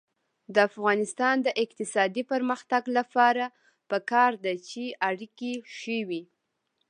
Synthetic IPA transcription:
d̪əafɣɑnɪst̪ɑnd̪əʔɪq̚t̪ɪsɑd̪ipəɾməxt̪aɡlapɑɾa | pəkɑɾd̪at͡ʃeaɽikeʃəwi

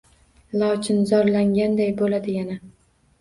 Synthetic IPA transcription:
lˠɒwt͡ʃʰɪnzɒɾlaŋɡʲand̪ajbolad̪ɪjana

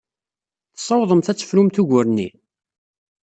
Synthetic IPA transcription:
θsˤːɑwðˤəmθæt͡sːə̥fɾumθuʝʊɾnḭ

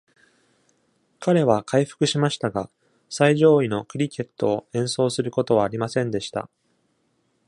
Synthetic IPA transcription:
kʰaɾe̞βakʰaiɸɯ̥kɯ̟ɕimaɕi̥t̪aɡa | saiʑo̞ːino̞kɯ̟ɾʲike̞t̪ːo̞ːẽ̞ɰ̃so̞ːsɨɾɯ̟ko̞t̪o̞βaːɾʲimasẽ̞nd̪e̞ɕi̥t̪a̰

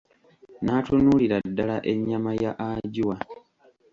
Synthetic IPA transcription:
naːtunuːliɾadːalaʔe̞ɲːamajaʔaɟiwa

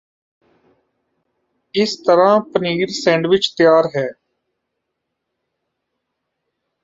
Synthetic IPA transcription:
ɪst̪əɾãːpəniːɾsɛ̃ːɳɖʋɪt͡ʃt̪ɪjaːɾɦɛː

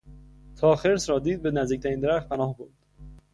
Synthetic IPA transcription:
t̪ʰɒːxeɾsɾɒːd̪iːd̪̚benæzd̪iːc̚t̪ʰæɾind̪eɾæxt̪̚pʰænɒːhboɾd̪̥

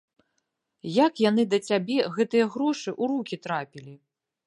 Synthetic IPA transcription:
jakjan̪ɨd̪ɐt͡sʲabʲɛɣɛt̪ɨjɐɣɾɔʂɨʔuɾukʲit̪ɾapʲilʲi

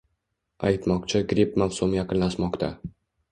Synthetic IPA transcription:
a̰jt̪mɒqt͡ʃʰɪɡɾipmafsʊmjɑqɨnlaʃmɒqt̪ʰa̰

